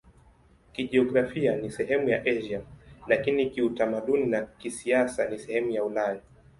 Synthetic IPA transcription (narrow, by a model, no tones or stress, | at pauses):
kiʄiɔɡɾafianisɛɦɛmujaʔɛʒialakinikiutamaɗuninakisiasanisɛhɛmujaulaja